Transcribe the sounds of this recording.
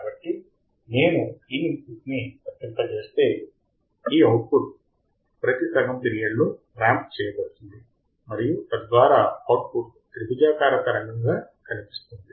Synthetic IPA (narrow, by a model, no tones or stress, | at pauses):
kaːbɐʈːi | ne̞ːnuiːniŋpuʈnipɐt̪jɐnt̪ɐt͡ʃe̞ːst̪e̞ː | iːɐwʈ̚puʈ̚ | pɾɐt̪it̪ɐŋɐmp̪iɾijɐɽlu | ɾaːmp̚t͡ʃɛːjɐbɐɽut̪und̪i | mɐɾijut̪ɐd̪ʋaːɾaːɐwʈ̚puʈ | t̪ɾibud͡ʒaːkaːɾɐk̪ɐɾɐŋɡɐŋɡaː | kɐnipi̥st̪und̪i